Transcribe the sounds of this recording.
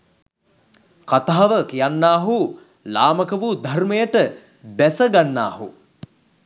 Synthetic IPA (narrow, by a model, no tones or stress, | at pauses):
kat̪aɦːaʋəkijanːaːɦu | laːməkəʋud̪ʱarməjəʈə | bæsəɡanːa̰ːhṵ